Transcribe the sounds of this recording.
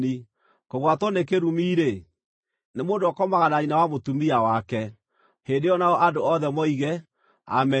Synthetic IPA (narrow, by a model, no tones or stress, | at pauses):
i | koɣwatɔnekeɾumiːɾe | nemoːndoɔkɔmaɣanainawamotumiawakɛ | heːndeɔnaɔʔandoɔðɛmɔiɣɛ | a̰mɛ